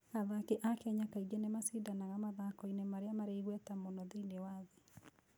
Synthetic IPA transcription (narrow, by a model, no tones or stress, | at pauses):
aðakeʔakɛɲakaiɡɛnemasidanaɣamaðakɔinemaɾeamaɾeiɣwɛtamonɔðinewaðe